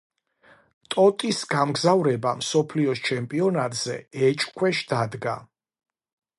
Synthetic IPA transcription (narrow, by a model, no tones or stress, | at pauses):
t̪ʼɔt̪ʼisɡamɡzavɾɛbamsɔpʰliɔst͡ʃʰɛmpʼiɔnat̪ʼz̥ɛ̰ɛt͡ʃʼkʰwɛʃd̪ad̪ɡa